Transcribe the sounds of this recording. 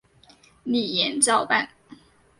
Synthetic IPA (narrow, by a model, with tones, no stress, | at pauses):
ni˨˩jɛ˧˥nt͡sɑ˥˧ʊpa˥˨n